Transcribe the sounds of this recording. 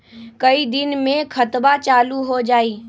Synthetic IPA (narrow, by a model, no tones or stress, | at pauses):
kɐid̪ɪnmẽkʰɐt̪bat͡ʃaːluɦod͡ʒaːiː